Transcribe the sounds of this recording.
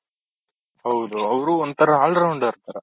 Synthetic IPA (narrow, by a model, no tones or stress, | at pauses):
hɐwd̪uɐʋɾuond̪t̪ʰɐɾɐɦaːɭɖɾɐwɳɖaːɾt̪aɾɐ